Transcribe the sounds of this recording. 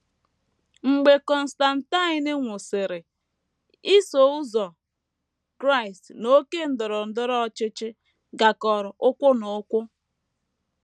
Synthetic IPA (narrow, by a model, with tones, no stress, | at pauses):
ŋ͡m̩˨ɡ͡be˨kɔ˨n̩˨sta˨n̩˨ta˦ɪ˨nɪ˦ŋʷʊ˨sɪ˨ɾɪ˨ | i˦so˨u˦zɔ˨ | kɾa˦i˨stno˦ke˦n̩˦dʊ˨ɾɔ˨n̩˦dʊ˦ɾɔ˦t͡ʃɪ˦t͡ʃɪ˦ | ɡa˨kɔ˨ɾʊ˨ʔʊ˦kʷʊ˦no˨˦kʷʊ˦